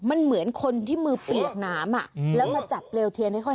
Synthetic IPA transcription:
ma˧nmɯ˩˦ənkʰo˧nt̪ʰiː˥˩mɯː˧pli˨˩ək̚naː˦˥mʔa̰˨˩ʔlɛː˦˥wmaː˧t͡ɕa˨˩p̚leː˧wt̪ʰi˧əŋnha˥˩jkʰɔ˥˩

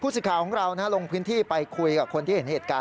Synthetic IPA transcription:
pʰu˥˩s̬ɯ˨˩kʰaː˩˦kʰɔː˩˦ŋɾa˧wna˦˥lo˧ŋpʰɯː˦˥nt̪ʰiː˥˩pa˧jkʰu˧jkaː˨˩p̚kʰo˧nt̪ʰiː˥˩e˩˦n˥he˨˩t̪̚kaː˧

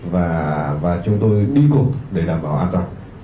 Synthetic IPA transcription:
vaː˨˩vaː˨˩t͡ɕʊ˨˦ŋ͡mt̪o˧jɗi˧ko˨˩ɗe˨˧˩ɗaː˨˩mɓaː˨˦wʔaː˧nka˧˩

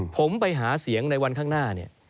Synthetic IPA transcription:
pʰo˩˦mpa˧jɦaː˩˦si˩˦əŋna˧jwa˧nkʰaː˥˩ŋnaː˥˩ni˥˩ɐ

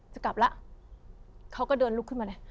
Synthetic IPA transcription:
t͡ɕa˨˩ka˨˩p̚la˦˥ʔ | kʰa˦˥wkɔː˥˩dɤː˧nlu˦˥kʰːɯ˥˩nmaː˧a˦˥˩

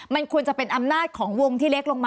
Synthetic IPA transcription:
ma˧nkʰu˧ənt͡ɕa˨˩pe˧nʔa˧mnaː˥˩t̪̚kʰɔː˩˦ŋwo˧ŋt̪ʰiː˥˩le˦˥k̚lo˧ŋmaː˧

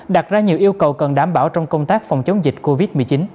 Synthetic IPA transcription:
ɗa˨˩t̚zaː˧ɲi˨˩əwʔi˧əwkə˨˩wkə˨˩nɗaː˧˩mɓaː˧˩wt͡ɕɔ˧wŋ͡mkə˧wŋ͡mt̪aː˦˥k̚fɔ˨˩wŋ͡mt͡ɕə˨˦wŋ͡mzi˨˩k̟̚ko˧vi˦˥t̚mɨ˨˩əjt͡ɕi˨˦n

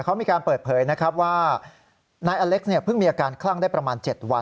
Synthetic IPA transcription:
kʰa˦˥wmiː˧kaː˧npɤː˨˩t̪̚pʰɤː˨˦jna˦˥kʰɾa˦˥p̚waː˥˩ | naː˧jʔaː˧le˦˥k̚sni˥˩ɐpʰɯ˥˩ŋmiː˧ʔaː˧kaː˧nkʰlaː˥˩ŋdaː˥˩jpɾa˧maː˧nt͡ɕe˨˩t̪̚wa˧

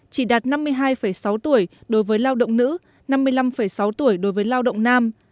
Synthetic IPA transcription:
t͡ɕi˧˩ɗaː˨˩t̚na˧mːɨ˧əjɦaː˧jfə˧˩jsa˨˦wt̪u˧˩əjɗo˨˦jvəː˨˦jlaː˧wɗə̰˧˨wŋ͡mnɨ̰˧˥ | na˧mːɨ˧əjla˧mfə˧˩jsa˨˦wt̪u˧˩əjɗo˨˦jvəː˨˦jlaː˧wɗə̰˧˨wŋ͡mnaː˧m

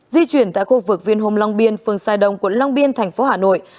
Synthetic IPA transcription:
zi˧t͡ɕwi˧˩ənt̪a̰ː˧˨jxu˧vɨ˨˩k̚vi˧ənɦo˧mlɔ˧wŋ͡mɓi˧ənfɨ˨əŋsaː˧jɗə˨˧wŋ͡mkwə˧˥nlɔ˧wŋ͡mɓi˧ənt̪ʰɛ˨˩jŋ̟fo˨˦haː˨˩no̰˧˨jʔ

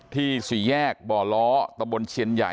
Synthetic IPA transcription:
t̪ʰiː˥˩su˨˩˦jɛː˥˩k̚bɔː˨˩lɔː˦˥t̪a˧mbo˧nt͡ɕʰi˧ənja̰˨˩

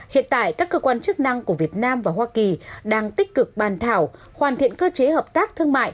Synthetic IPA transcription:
hḭ˧˨ənt̪a̰ː˧˨jkaː˦˥kːəː˧kwaː˧nt͡ɕɨ˦˥ək̚na˧ŋku˧˩vi˨˩ət̚naː˧mvaː˨˩ɦwaː˧ki˨˩ɗaː˧ŋt̪ï˦˥k̟̚kɨ˨˩k̚ɓaː˨˩nt̪ʰaː˧˩w | hwaː˨˩nt̪ḭ˧˨ənkəː˧t͡ɕe˨˦həː˨˩p̚t̪aː˦˥k̚t̪ʰɨ˧əŋma̰ː˧˨j

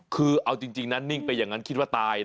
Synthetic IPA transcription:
kʰɯː˧ʔʔa˧wt͡ɕi˧ŋt͡ɕi˧ŋna˦˥nːi˥˩ŋpa˧ja˨˩ŋa˦˥nkʰt̪̚wa˥˩t̪aː˧j

